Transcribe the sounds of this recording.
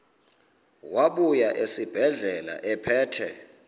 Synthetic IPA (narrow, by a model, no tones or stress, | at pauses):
waɓujaʔesib̥ʱɛɮɛla̰ʔɛpʰɛːtʰɛ